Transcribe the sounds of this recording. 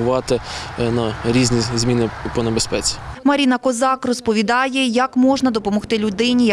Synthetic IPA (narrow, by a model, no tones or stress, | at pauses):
ʊʋɑt̪ɪnɐɾʲizʲnʲizmʲinɪpɔnebespɛt͡sʲi̥mɐɾʲinɐkɔzɑkrɔspɔʋʲid̪ɑjɛjɐkmɔʒnɐd̪ɔpɔmɔxt̪ɪlʲʊd̪ɪnʲij